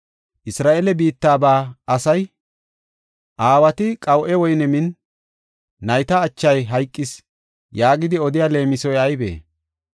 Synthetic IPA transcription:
ʔɪsɾaːʔelɛbiːt̪ːaːbaːɐsɐj | ʔaːwɐt̪ɪkʼɐwʔɛwɔjnɛmɪn | ɐjt̪ɐːt͡ʃːɐjɦɐjkʼːɪs | jaːɡɪd̪ɪɔd̪ɪjaːle̞ːmɪsɔjɐjbḛː

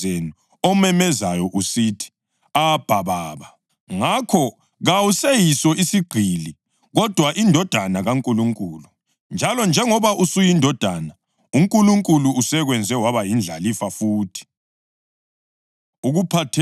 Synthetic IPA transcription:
enu | ɔmɛmɛzajɔʔusitʰi̥ | ab̥ʱaβaːβa | ŋakʰɔ | ɣawusejisɔisiɡ͡ǀʱili | ɣɔd̥ʱwaʔindʱɔd̥ʱanaɣaŋkʼuluŋkʼuːlu | nd͡ʒʱalɔnd͡ʒʱɛŋɔβaʔusujindʱɔd̥ʱana | uŋkʼuluŋkʼuluːsɛɣwɛnd͡zʱɛwaβajind͡ɮʱalifafuːtʰi̥ | uɣupʰatʰ

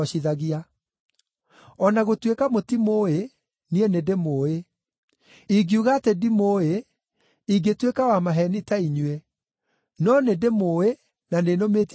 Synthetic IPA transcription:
ɔɕiðaɣia | ɔnaɣotwekamotimoːe | nienedemoe | iɡiuɣatedimoe | iɡetwekawamaɦɛnitaiɲwe | nɔnedemoe | nanenomeːt

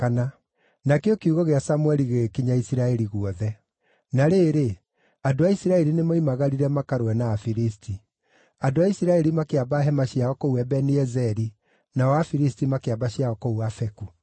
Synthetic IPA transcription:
kana | nakeokeuɣɔɣeasamwɛɾiɣekiɲaisiɾaɛɾiɣuɔðɛ | naɾeːɾe | adoaisiɾaɛɾinemaimaɣaɾiɾɛmakaɾwɛnaːfiɾistʰi | adoaisiɾaɛɾimakeabaɦɛmaɕiaɔkouwɛbɛniɛzɛɾi | nawafiɾistimakeabaɕiaɔkouwafɛku

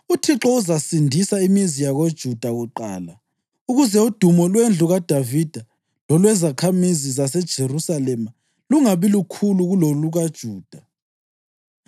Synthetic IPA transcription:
utʰiǁɔuzasindʱisaimizijaɣod̥ʒ̥ʱud̥ʱaɣuǃa̰ːla | uɣuzɛud̥ʱumɔlwend͡ɮʱuɣad̥ʱavid̥ʱa | lɔlwɛzakʰamizizasɛd̥ʒ̥ʱerusalɛma | luŋaβilukʰuluɣuloluɣad̥ʒ̥ʱuːd̥ʱa

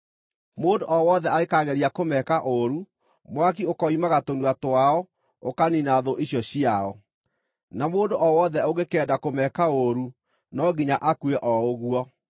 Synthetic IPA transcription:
moːndoʔɔwɔðɛaɣekaɣɛɾiakomɛkaʔoɾu | mwakiokɔimaɣatonuatoaɔ | okaninaðoʔiɕjɔɕiaɔ | namoːndoʔɔwɔðɛoɣekɛdakomɛkaoɾu | nɔɡiɲaʔakweʔɔoɣwɔ

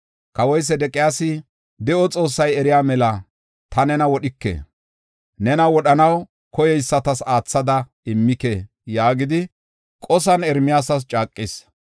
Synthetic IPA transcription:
kɐwɔjs̬ɛd̪ɛkʼːɪjaːsɪ | d̪ɛʔɔt͡sʼo̞ːsːɐjɛɾɪjaːmɛlɐ | t̪ɐnɛnɐwɔɗɪkːḛː | nɛnɐwɔɗɐnɐw | kɔjɛjsːɐt̪ɐsaːt͡sːɐd̪ɐ | ɪmːɪke | jaːɡɪd̪ɪ | kʼɔs̬ɐnɛɾmɪjaːsɐs̬t͡ʃʼaːkʼːɪs

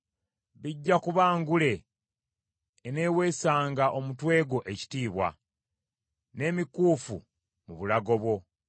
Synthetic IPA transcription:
βiɟːakuβaːŋɡule̞ | ne̞ːwe̞ːsaːŋɡaʔo̞mutwe̞ːɡo̞ʔe̞ci̥tiːβwa̰ | ne̞ːmikuːfṵ | muβulaɡo̞βwo̞

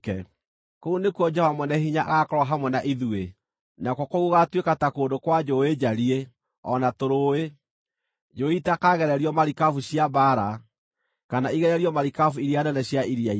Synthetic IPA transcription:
kɛ | kounekuɔd͡ʒɛamwɛnɛhiɲaʔa̰ɣakɔɾwaɦamwɛnaʔiðue | nakwɔkoɣuɣatwekatakoːndokwad͡ʒoed͡ʑaɾie | ɔ̰natoɾoːe | d͡ʒoitakaɣɛɾɛɾiɔmaɾikafuɕjabaɾa | kanaiɣɛɾɛɾiɔmaɾikafuiɾianɛnɛɕjaiɾiai

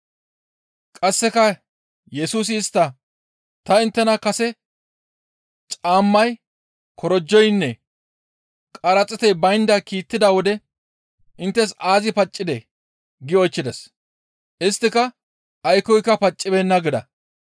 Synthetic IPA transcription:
kʼɐsːɛkɐ | jɛsuːs̬ɪːst̪ːɐ | t̪ɐɪnt̪ːɛnɐkɐsɛ | t͡ʃʼaːmːɐj | kʰɔɾɔd͡ʒːɔjnːɛ | kʼɐɾɐt͡sʼːɛt̪ɛjbɐjnd̪ɐkiːt̪ːɪd̪ɐwɔd̪ɛ | ʔɪnt̪ːɛsaːzɪpɐt͡ʃʼːɪd̪ɛ | ɡɪɔjt͡ʃːɪd̪ɛs | ʔɪst̪ːɪkɐ | ʔːjkɔjkːɐpɐt͡ʃʼːɪbɛnːɐɡɪd̪ɐ̰

